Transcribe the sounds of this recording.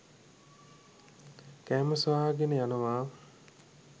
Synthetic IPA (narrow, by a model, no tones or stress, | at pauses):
kæːməsʋaːɡenəjanəʋaː